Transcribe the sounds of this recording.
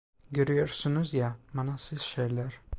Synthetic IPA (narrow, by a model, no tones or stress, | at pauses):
ɡʲøɾyjøɾsynyzjamɑnɑsɪz̥ʃeɾlæɾ